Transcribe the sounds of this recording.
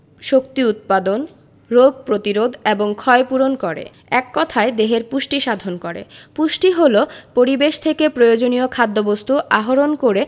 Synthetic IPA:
ʃokt̪iut̪̚pad̪on | ɾoɡ̚pɾot̪iɾod̪ʱeboŋkʰɔepuɾonkɔɾḛ | ɛkːɔt̪ʰaed̪eɦeɾpuʃʈiʃad̪ʱonkoɾḛpuʃʈiɦolopoɾibeʃt̪ʰekepɾojod͡ʑoniokʰad̪ːobost̪uʔaɦoɾonkoɾe

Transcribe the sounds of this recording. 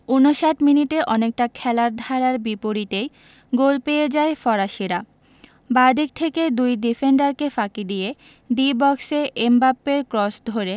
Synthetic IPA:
unoʃaʈminiʈeʔɔnek̚ʈakʰɛlaɾd̪ʱaɾaɾbipoɾit̪ej | ɡolpejed͡ʑaefɔɾaʃiɾa | bad̪ik̚t̪ʰeked̪ujɖifeɳɖaɾkefakid̪ije | ɖibɔkseʔembapːeɾkɾɔsd̪ʱoɾe

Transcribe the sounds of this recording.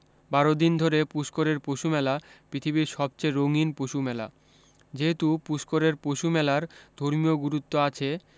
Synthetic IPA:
baɾod̪ind̪ʱoɾepuʃkoɾeɾpoʃumɛlapɾit̪ʰibiɾʃɔb̚t͡ɕeɾoŋinpoʃumɛla̰ | d͡ʑeɦet̪upuskoɾeɾpoʃumɛlaɾd̪ʱoɾmijoɡuɾut̪ːoat͡ɕʰe

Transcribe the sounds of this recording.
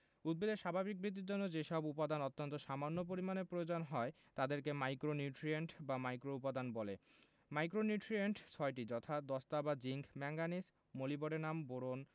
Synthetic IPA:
ud̪̚bed̪eɾʃabʱabik̚bɾit̪̬ːiɾd͡ʑonːod͡ʑeʃɔbupad̪anɔt̪ːont̪oʃamanːop̬oɾimanepɾojod͡ʑonɦɔe | t̪ad̪eɾkemajkɾonuʈɾieɳʈbamajkɾoupad̪anbɔle | majkɾonuʈɾieɳʈt͡ɕʰɔeʈid͡ʑɔt̪ʰad̪ɔst̪abad͡ʑiŋkʰmɛŋɡanis | moliboɽenamboɾon

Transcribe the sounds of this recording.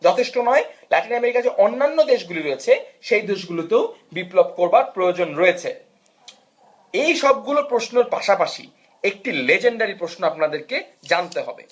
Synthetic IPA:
d͡ʑɔt̪ʰeʃʈonɔelɛʈinɛmeɾikakeʔonːanːod̪eʃɡuliɾoet͡ɕʰeʃejd̪eʃɡulot̪ewbiplob̚koɾbaɾpɾojod͡ʑonɾoet͡ɕʰe | ejʃɔb̚ɡulopɾosnoɾpa̰ʃapaʃḭ | ek̚ʈiled͡ʑeɳɖaɾipɾosnoapnad̪eɾked͡ʑant̪eɦɔ̰bḛ

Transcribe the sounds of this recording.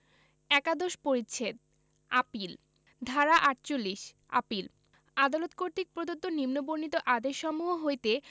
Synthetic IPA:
ɛkad̪oʃpoɾitːɕʰed̪̚ | apil | d̪ʱaɾaʔaʈ̚t͡ɕolːiʃ | a̰pil | ad̪alot̪koɾt̪ik̚pɾod̪ot̪ːonimnoboɾnit̪oʔad̪eʃːɔmuɦoɦojt̪e

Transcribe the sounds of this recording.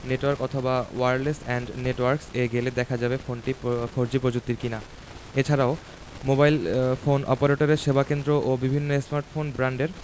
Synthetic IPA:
neʈwaɾkɔt̪ʰobawajɾlesɛɳɖneʈwaɾkseɡeled̪ɛkʰad͡ʑabefonʈifʰoɾd͡ʑipɾod͡ʑut̚t̪ːiɾkina | et͡ɕʰaɾao | mobajlfonʔɔpoɾeʈoɾeɾʃebʱakend̪ɾoʔobibʱinːoesmaɾʈfonbɾaɳɖeɾ

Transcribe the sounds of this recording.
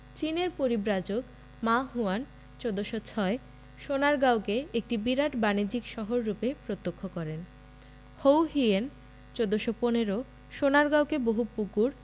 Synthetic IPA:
t͡ɕineɾpoɾibɾad͡ʑok | maɦuan | t͡ɕod̪oʃot͡ɕʰɔe | ʃonaɾɡawkeek̚ʈibiɾaʈbanid͡ʑikʃɔɦoɾːupepɾot̪ːokʰːokɔɾen | howɦien | t͡ɕod̪oʃoponeɾo | ʃonaɾɡawkeboɦupukuɾ

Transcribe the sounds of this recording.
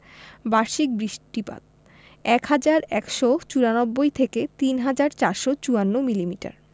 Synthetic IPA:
baɾʃik̚bɾiʃʈipa̰t̪̚ | ɛkhad͡ʑaɾɛ̰kʃot͡ɕuɾanobːojt̪ʰeket̪inɦad͡ʑaɾt͡ɕaɾʃot͡ɕuanːomilimiʈa̰ɾ

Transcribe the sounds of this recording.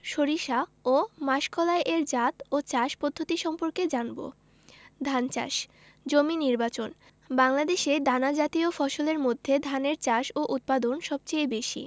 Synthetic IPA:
ʃoɾiʃaomaʃkʰɔlaeʔeɾd͡ʑat̪ot͡ɕaʃpɔd̪ʱːot̪iʃɔmpoɾked͡ʑanbo̰ | d̪ʱant͡ɕa̰ʃ | d͡ʑominiɾbat͡ɕon | baŋlad̪eʃeɖanad͡ʑat̪iofɔʃoleɾmod̪ʱːed̪ʱaneɾt͡ɕaʃoʔut̪̚pad̪onʃɔb̚t͡ɕejbeʃḭ

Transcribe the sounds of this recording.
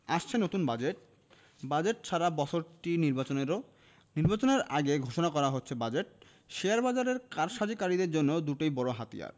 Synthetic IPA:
aʃt͡ɕʰenot̪unbad͡ʑeʈ̚ | bad͡ʑeʈ̚t͡ɕʰaɾabɔt͡ɕʰoɾʈiniɾbat͡ɕoneɾo | niɾbat͡ɕoneɾaɡeɡʱoʃonakɔɾaɦotːɕʰebad͡ʑeʈ̚ | ʃeaɾbad͡ʑaɾeɾkaɾʃad͡ʑikaɾid̪eɾd͡ʑonːod̪uʈojbɔɾoɦat̪ḭja̰ɾ

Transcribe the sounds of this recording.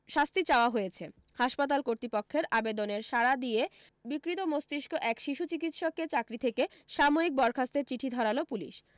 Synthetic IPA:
ʃast̪it͡ɕaoaɦojet͡ɕʰe | haʃpat̪̬alkoɾt̪ipokʰːeɾʔabed̪oneɾʃaɾad̪ie | bikɾit̪omost̪iʃkʰoʔɛkʃiʃut͡ɕik̬it̪ʃɔkːet͡ɕakɾit̪ʰeke | ʃamoik̚bɔɾkʰast̪eɾt͡ɕiʈʰid̪ʱɔɾalopulḭʃ

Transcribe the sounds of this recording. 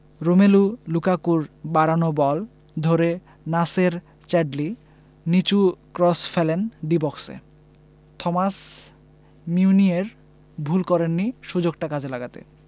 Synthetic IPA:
ɾomelulukakuɾbaɾanobɔl | d̪ʱoɾe | naseɾ | t͡ɕɛɖli | nit͡ɕukɾɔsfelenɖibɔksḛ | t̪ʰɔmas | miunieɾ | bʱulkɔɾenːiʃud͡ʑoɡʈakad͡ʑʱelaɡat̪ḛ

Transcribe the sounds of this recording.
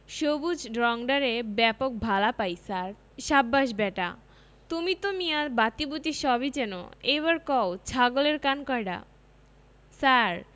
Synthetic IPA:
ʃobud͡ʑɖɾɔŋɖaɾebɛpok̚bʱalapajsaɾ | ʃabːaʃbɛʈa̰ | t̪umit̪omiaɾbat̪ibut̪iʃɔbid͡ʑɛno̰ejβaɾkɔwt͡ɕʰaɡoleɾkankɔjɖa̰ | saɾ

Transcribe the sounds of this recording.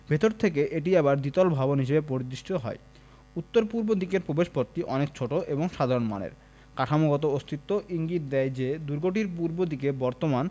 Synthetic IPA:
bʱet̪oɾt̪ʰekeʔeʈ̬iebaɾd̪it̪ɔlbʱabonɦiʃebepoɾid̪ːɾiʃʈit̪oɦɔ̰e | ut̪ːoɾpuɾbod̪ikeɾpɾobeʃpoɾt̪ːiʔɔnek̚t͡ɕʰoʈoʔeboŋʃad̪ʱaɾonma̰nḛɾ | kaʈʰamoɡɔt̪̬oost̪ʰit̪ːoʔiŋɡit̪̚d̪ɛjd͡ʑed̪uɾɡoʈ̬iɾpuɾbod̪ikebɔɾt̪oman

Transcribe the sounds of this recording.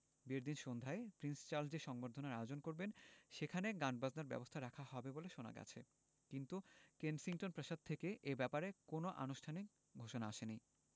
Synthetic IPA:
biɾd̪inʃond̪ʱaepɾinst͡ɕaɾld͡ʑiʃɔŋboɾd̪ʱonaɾaeod͡ʑonkoɾbenʃekʰaneɡanɖ̚baznaɾbɛ̰bost̪ʰaɾakʰahɔbeboleʃona̰ɡɛ̰t͡ɕʰe | kint̪ukensiŋʈonpɾaʃad̪̚t̪ʰekeʔebɛpaɾekonoʔa̰noʃʈʰanik̚ | ɡʱoʃonaaʃeni

